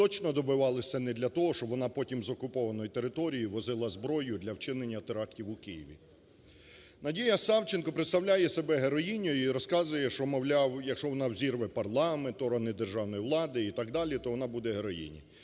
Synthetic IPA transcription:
t̪ɔt͡ʃnɔd̪ɔbɪʋɑlˠɪsʲɐnɛd̪lʲɐt̪ɔɦɔʃt͡ʃɔʋɔnɑpɔtʲimzɔkʊpɔʋɐnɔjit̪e̞ɾɪt̪ɔɾʲijiʋɔzɪlˠɐzbɾɔjʊd̪lʲɐwt͡ʃɪnenʲːɐt̪eɾɑktʲiwʊkɪjiʋʲḭ | nɐdʲijɐsɑwt͡ʃenkɔpɾɪt̪st̪ɐwlʲajɛsebɛɦeɾɔjinʲɔjʊiɾɔskɑzʊjɛʃt͡ʃɔmɔwlʲɑwjɐkʃɔʋɔnɑwzʲirʋɛpɐrlˠɑment̪ɔɾɔnɪd̪erʒɑwnɔjiʋlˠɑd̪ɪit̪ɑɡd̪ɑlʲit̪ɔʋɔnɑbud̪ɛɦeɾɔjḭnʲḭ

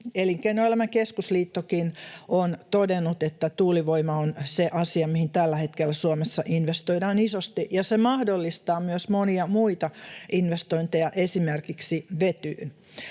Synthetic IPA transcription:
eliŋkeinoelæmæŋkeskusliːt̪ːokinont̪odenːut̪et̪ːæt̪uːliʋoimɑonseʔɑsiɑmihint̪ælːæhet̪kelːæsuomesːɑʔinʋest̪oidɑːnisost̪iʔjɑsemɑhdolːist̪ɑːmyøsmoniɑmuit̪ɑʔinʋest̪oint̪ejɑʔesimerkiksiʋet̪yːn

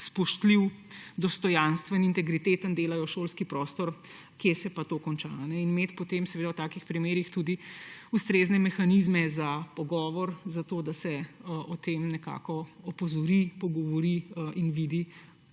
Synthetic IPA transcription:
spɔʃt̪liwd̪ɔst̪ɔjanst̪ʋənint̪ɛɡɾit̪eːt̪ənd̪eːlajɔʃolskipɾɔːst̪ɔɾ | kjesɛpat̪oːkɔnt͡ʃanɛinmeːt̪pɔt̪emsɛʋeːd̪awt̪aːkixpɾimeːɾixt̪ud̪iust̪ɾeːznɛmɛxanizmɛzapɔɡɔːʋɔɾzat̪oːd̪asɛɔt̪emnɛka̰kɔɔpɔzɔɾipɔɡɔʋɔɾiinʋiːd̪i

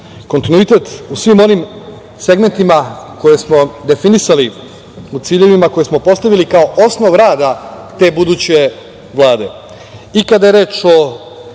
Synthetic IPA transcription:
ko̞nt̪inuit̪e̞t̪usʋiːmo̞nim | se̞ɡme̞nt̪imako̞je̞smo̞d̪e̞finisali | ut̪siːʎe̞ʋimako̞jesmo̞po̞st̪aʋilikaoʔosnoʋɾaːd̪at̪e̞ːbud̪ut͡ɕe̞ | ʋlˠaːd̪e | ikad̪aje̞ɾe̞ːt͡ʃo

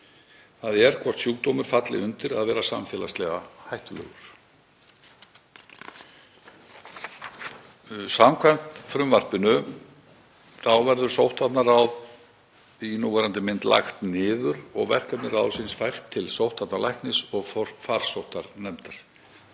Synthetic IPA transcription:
θaðɛɾ̥kʰvɔr̥t̪sjuːkt̪owmʏɾ̥fat̪lɪ̰ʏnt̪ɪɾaðvɛːɾasa̰mfɛːlast̪lɛɣahajht̪ʏlœ̰ːɣʏɾ̥ | samkʰvɛm̥t̪fɾʏmvar̥pɪnʏ | θawvɛɾðʏɾ̥sowht̪at̪naɾawð | inuːvɛːɾant̪ɪmɪnt̪lʔa̰xt̪nɪːðʏɾɔ̰ɣvɛ̰r̥kat̪nɪrawsɪnsfajr̥t̪ʰːɪlsowht̪at̪nalajht̪nɪsɔɣfɔɾ̥faɾ̥sowht̪aɾnɛmt̪aɾ̥

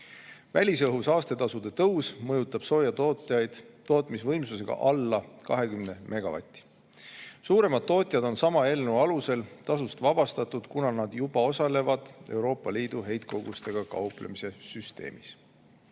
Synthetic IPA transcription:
vælʲisɤɦusɑːst̪e̞t̪ɑsud̪̥e̞t̪ɤwsmɤjut̪ːˑɑb̥so̞ːjɑt̪oːt̪ˑjɑjd̪̥t̪o̞ːt̪misvɤ̞jmsus̬e̞ɡ̥ɑ̰ʔɑlːɑkɑɦe̞kymne̞mʔe̞ɡ̥ɑvɑ̰t̪ʲːˑi̥ | suːɾe̞mɑd̪̥̚t̪ːo̞ːt̪ʲˑjɑd̪o̞nsɑmɑe̞lnuɑluse̞lt̪ɑsust̪vɑb̥ɑst̪ɑt̪ːˑud̪̥kunɑnɑd̪̥jub̥ɑo̞sɑle̞vɑd̪̥e̞̰wɾo̞ːpːˑɑliːd̪̥uɦe̞jt̪̚ko̞ɡ̥ust̪e̞ɡ̥ɑkɑ̰uplḛmise̞syst̪e̞̰ːmis

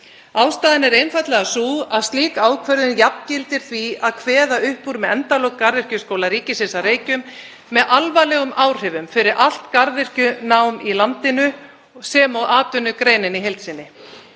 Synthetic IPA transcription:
aːwst̪aːðɪnɛɾejnfajt̪lɛɣasuːaðst̪liːkaːwkʰvœɾðɪnjapncɪlt̪ɪɾ̥θviaðkʰvɛːðaʏhpːuːɾmɛðɛnt̪alɔkkːaɾðɪr̥cʏskowlaɾiːcɪsɪsaɾeːjcʏmː | ɛðʔalvajlɛɣʏmaːwr̥ɛvʏmfɪɾɪɾʔal̥t̪kaɾðɪr̥cʏnaːwmilant̪ɪnʏ | sɛːmawaːt̪ʏnːʏkɾeːjnɪniɦejlt̪sɪnːɪ

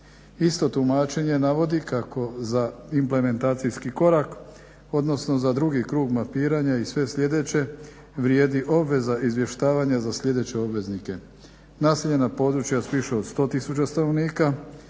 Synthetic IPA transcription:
ist̪o̞t̪umaːt͡ʃe̞ɲe̞naʋo̞d̪ikakʰo̞zaimple̞me̞nt̪aːt̪sijskiko̞ɾak | o̞d̪no̞sno̞zad̪ɾuɡikɾuːɡmapiːɾaɲaisʋe̞sʎʲe̞d̪e̞t͡ɕe̞ | ʋɾjeːd̪iʔo̞bʋe̞zaʔizʋje̞ʃt̪aːʋaɲazasʎʲe̞d̪e̞t͡ɕe̞o̞bʋe̞znike̞ | naːseʎe̞napo̞d̪ɾut͡ʃjaspiʃeod̪st̪o̞ːt̪isut͡ɕast̪ano̞ʋniːka

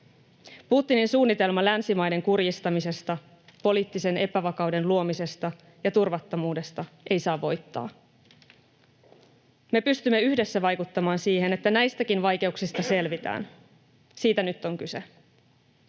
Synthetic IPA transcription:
put̪ːininsuːnːit̪e̞lmɑlænsimɑjde̞ŋkurjist̪ɑmise̞st̪ɑ | po̞liːt̪ːise̞ne̞pæʋɑkɑwde̞nluo̞mise̞st̪ɑ | jɑt̪urʋɑt̪ːomuːde̞st̪ɑʔe̞jsɑːʋːo̞jt̪ːɑ̰ː | me̞pyst̪ymːe̞yhde̞sːæʋɑjkut̪ːɑmɑːnsiːɦe̞ne̞t̪ːænæjst̪ækinʋɑjk̟e̞uksist̪ɑse̞lʋit̪æ̰ːn | siːt̪ænyt̪ːo̞ŋkyse̞

